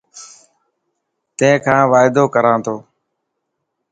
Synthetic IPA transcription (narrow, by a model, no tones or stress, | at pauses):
t̪ẽkʰãːʋaːɪd̪oːkəɾãːt̪ʰoː